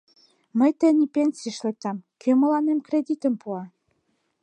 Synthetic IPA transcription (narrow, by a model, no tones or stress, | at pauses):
məjt̪ə̆nʲipenʲsiəʃlek̚t̪ɑmkʰømə̆lɑnemkred̪ʲit̪ə̆mpuɑ